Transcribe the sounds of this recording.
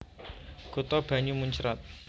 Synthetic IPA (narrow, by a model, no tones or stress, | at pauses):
ɡ̥o̤t̪ɔb̥a̤ɲumuɲt͡ʃɾat̪̚